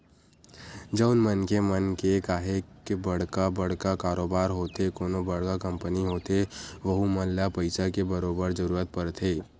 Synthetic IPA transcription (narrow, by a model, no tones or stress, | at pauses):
d͡ʒəːnmənkemənkekaːɦekebɐɽ̤kabɐɽ̤kakaːɾoːbaːɾɦoːt̪ekoːnobɐɽ̤kakɐ̃mpəniɦoːt̪eʋɐɦumɐllapɐɪsakebɐɾoːbəɾzɐɾuːɾət̪̚pɐɾt̪ʰeː